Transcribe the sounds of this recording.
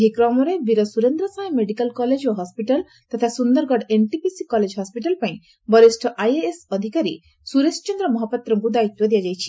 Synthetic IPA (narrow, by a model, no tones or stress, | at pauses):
ɦikɾɔmɔɾebiɾɔsuɾend̪ɾɔsajmeɽikalkɔled͡ʒoɦɔspiʈal | t̪at̪ʰasund̪ɔɾɡɔɖenʈipisikɔled͡ʒɦɔspiʈalpaĩ | bɔɾisʈʰɔʔajeesɔd̪ʱikaɾi | suɾest͡ʃɔnd̪ɾɔmɔɦɔpɔt̪ɾɔŋkud̪ait̪wɔd̪ijad͡ʒajt͡ʃʰi̥